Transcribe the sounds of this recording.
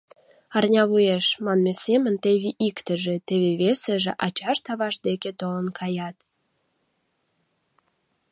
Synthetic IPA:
ɑrnʲɑβujeʃmɑnmesemənt̪eβiʔikt̪ə̆ʒĕt̪eβeβeseʒḛʔɑt͡ɕɑʃt̪ɑβɑʃd̪eket̪olənkʰɑjɑt̪

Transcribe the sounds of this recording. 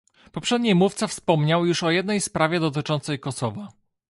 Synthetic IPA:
pɔpʂɛd̪ɲijmuft̪safspɔmɲawjuʂɔjɛd̪nɛjspɾavʲjɛd̪ɔt̪̬ɘt͡ʂɔnt̪sɛjkɔsɔva

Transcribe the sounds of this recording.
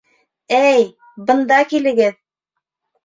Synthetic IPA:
æj | bɤ̆nd̪ɑkilɘ̆ɡɘð

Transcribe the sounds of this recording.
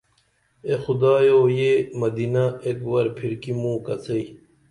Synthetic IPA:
exud̪aːjoːjemɐd̪inaekwɐɾpʰiɾkimũːkɐt͡sʰɐi

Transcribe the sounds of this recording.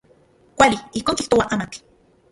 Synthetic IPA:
kʷaliihkoːŋkiht̪owaʔaːmak

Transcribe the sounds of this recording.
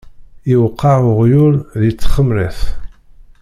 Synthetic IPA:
ɪwəqːɑʕʊʁjʊɾðit͡sːχəmɾæθ

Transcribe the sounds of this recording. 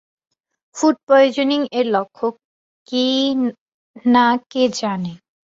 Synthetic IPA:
fuɖ̚pɾojod͡ʑoniŋeɾlɔkʰːokː | i | naked͡ʑane

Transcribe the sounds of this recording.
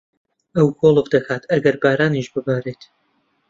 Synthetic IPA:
ɐwkʰoːlˠəvd̪ɐkʰaːt̪ʰɐɡɐɾbaːɾaːniʃbɨbaːɾeːt̪

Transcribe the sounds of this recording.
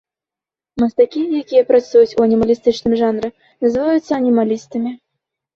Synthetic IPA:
mɐst̪akʲijakʲijɐpɾat̪sujut͡sʲuɐnʲimɐlʲist̪ɨt͡ʂnɨmʐanrɨ | nɐzɨvajut̪sːɐɐnʲimalʲist̪ɨmʲi

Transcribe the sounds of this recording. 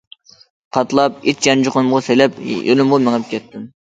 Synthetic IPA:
qʰɑt̪lˠɑp̚it͡ʃjɛnd͡ʒoqʊnmʁɑselɛpjolʊmʁɑmeŋɛp̚kʲʰɛt̪ʰːɪm

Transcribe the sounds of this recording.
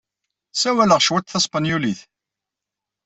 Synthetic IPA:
sæwæləʁʃwæt̪θɑsˤpɑnjuliθ

